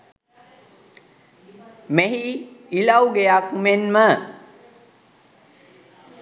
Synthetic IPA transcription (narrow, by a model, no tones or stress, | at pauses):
meɦiilawɡejakumenmə